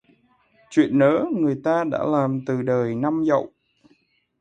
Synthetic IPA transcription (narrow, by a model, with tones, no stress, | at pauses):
t͡ɕwḭ˧˨ənːəː˨˦ŋɨ˨˩əjt̪aː˧ɗa̰ː˧˥laː˨˩mt̪ɨ˨˩ɗəː˨˩jna˧mzə̰˧˨wʔ